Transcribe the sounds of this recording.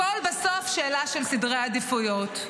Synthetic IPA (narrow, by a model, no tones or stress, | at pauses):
olbesofʃeːlaʃelsidʁead̪ifujot̪